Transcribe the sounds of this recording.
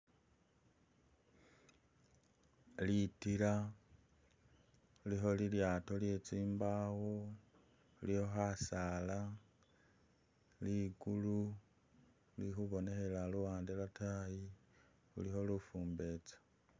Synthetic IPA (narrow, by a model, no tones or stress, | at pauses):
litila | liɦo̞liljaːto̞lje̞t͡siːmbaɣo | liho̞xasaːla | liɡulu | lixuβo̞ne̞xe̞laluwaːndelataji | ṵliho̞lufuːmbe̞t͡sḁ